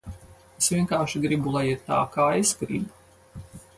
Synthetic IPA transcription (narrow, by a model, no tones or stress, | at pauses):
esvʲiɛnkaːɾʃiɡɾibulˠajiɾt̪a̰ːkaːijskɾḭːbu